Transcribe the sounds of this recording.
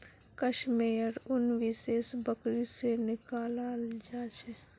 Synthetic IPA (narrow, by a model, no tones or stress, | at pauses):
kəʃmeːjəɾʊnʋɪseːsbəkɾisenɪkaːlald͡ʒaːt͡ʃʰɛ